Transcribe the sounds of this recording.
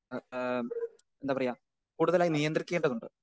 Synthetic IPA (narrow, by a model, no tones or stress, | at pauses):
nd̪aːpɐrɐjaː | kuːɽuðɐlaːjinijɐnd̪rikʲːe̞ːɳɖɐðuɳɖɨ